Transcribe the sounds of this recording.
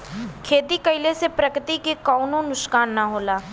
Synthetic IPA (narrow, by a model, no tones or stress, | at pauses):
kʰeːt̪ikəɪlesepɾəkɾɪt̪ikekɔːʊnõnʊʃkaːnːaɦoːlaː